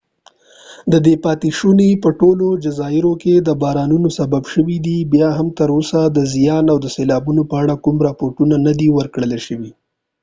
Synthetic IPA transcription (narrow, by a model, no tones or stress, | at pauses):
d̪əd̪epɑt̪iʃunepəʈolod͡ʒazɑɪɾoked̪əbɑɾɑnunosababʃəwid̪ibjɑɦamt̪əɾosad̪əzijɑnawd̪əselɑbunopəaɽakumɾɑpoɾʈunanad̪iwəɾkɽəleʃəwi